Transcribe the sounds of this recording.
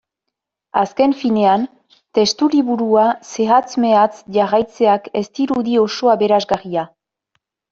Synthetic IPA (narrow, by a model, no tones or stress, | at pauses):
aske̞ɱfine̞an | t̪e̞st̪uliβuɾuase̞ɣat͡sme̞at͡sʝarajt͡se̞ake̞st̪iɾuðio̞so̞aβe̞ɾazɡaria